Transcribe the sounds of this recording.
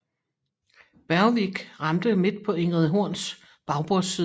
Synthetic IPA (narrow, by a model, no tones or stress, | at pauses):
b̥æɐʋiɡ̥ʁɑ̈md̥əme̝d̥̚pʰɒ̽eŋ̰ʁɛðˠɦo̝ɐ̰ns | b̥ɑ̈ʊb̥oɐsiːð